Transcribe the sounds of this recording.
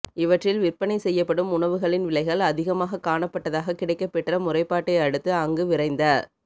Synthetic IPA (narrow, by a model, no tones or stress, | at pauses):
ɪʋɐʈrɪlʋɪrpːɐɳɐɪsɛjːɐpːɐɽɯmʊɳɐʋɯɣɐɭɪnʋɪɭɐɪɣɐɭɐðɪɣɐmaːɣɐkːaːɳɐpːɐʈːɐðaːɣɐkɪɽɐɪkːɐpːɛʈrɐmʊrɐɪpːaːʈːɐɪɐɽɯt̪ːɯɐŋɡɯʋɪɾɐɪnd̪ɐ